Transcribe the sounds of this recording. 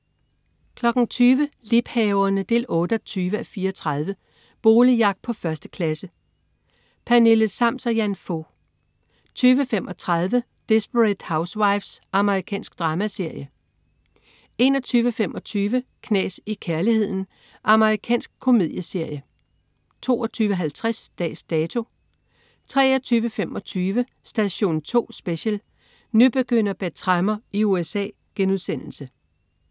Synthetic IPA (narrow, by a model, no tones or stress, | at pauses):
kʰlɒ̽ɡ̥n̩t͡sʰyːʋəlib̥hɛːʊɐnəd̥e̝lɔ̽ːd̥əɒt͡sʰyːʋəæfiːɐɒt͡sʰʁɑð̞ˠʋə | b̥o̝ːlijɑ̈ɡ̥̚pʰɒ̽fɶɐsd̥ə̥kʰlæsə | pʰæne̝ləsɑ̈m̰sɒjænfo̰ | t͡sʰyːʋəfemʔɒ̽t͡sʰʁɑð̞ˠʋə | d̥e̝sb̥əʁed̥häʊswɑ̈ɪfsʔɑ̈məʁikʰɛ̰ːnsɡ̥d̥ʁɑ̈ːmæse̝ɐ̰jə | e̝ːnɒ̽t͡sʰyːʋəfem̰ʔɒ̽t͡sʰyːʋəkʰnɛ̰ːsikʰæɐlihe̝ð̞̰ˠn̩ | ʔɑ̈məʁikʰɛ̰ːnsɡ̥̚kʰo̝mið̞̰ˠjəse̝ɐ̰jə | t͡sʰo̝̰ːɒt͡sʰyːʋəɦælt͡sʰʁasd̥ɛ̰ːsd̥ɛːt͡sʰo̝ | t͡sʰʁɛ̰ːɒt͡sʰyːʋəfemʔɒ̽t͡sʰyːʋə | sd̥æɕo̝̰ːnt͡sʰo̝̰ːsb̥e̝ɕəl | nub̥e̝ɡ̥øn̰ɐb̥æ̥t͡sʰʁɑmɐiuesɛ̰ː | ɡ̥enuðˠsen̰l̩sə